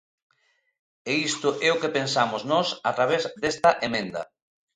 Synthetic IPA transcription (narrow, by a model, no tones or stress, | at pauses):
eist̪ʊʔɛʊkepensamʊznɔsat̪ɾaβ̞ezd̪est̪ɐʔemẽnd̪ɐ̰